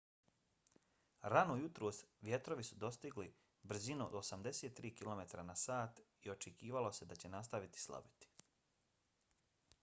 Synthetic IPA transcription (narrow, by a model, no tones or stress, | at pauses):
ɾanujut̪ɾoːsʋje̞t̪ɾo̞ʋisud̪o̞st̪iɡli | br̩zinuo̰d̪osamd̪e̞seːt̪ːɾiːkilo̞me̞t̪aɾanasaːt̪ | io̞t͡ʃekiːʋalo̞se̞d̪at͡ɕe̞nast̪aʋit̪i̥slˠa̰bit̪i̥